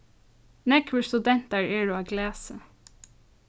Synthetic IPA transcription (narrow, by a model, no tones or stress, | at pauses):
nɛkʰʋəst̪ʉd̪ɛnt̪ɑɹeːɹoːɑːɡlæːsə̰